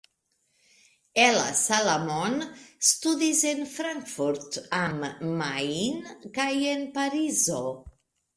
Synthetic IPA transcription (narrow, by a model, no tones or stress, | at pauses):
ela̰salamɔnst̪uðizenfɾaŋkfuɾt̪amːajnkajenpaɾizo